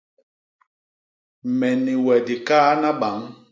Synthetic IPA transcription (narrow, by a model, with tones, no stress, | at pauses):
mɛ˨ni˨wɛ˨di˨kaː˦na˦ɓa˨˦ŋ